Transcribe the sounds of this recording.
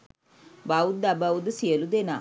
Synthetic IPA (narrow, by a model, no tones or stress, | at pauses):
baud̪abawud̪ɨsijɐlud̪ena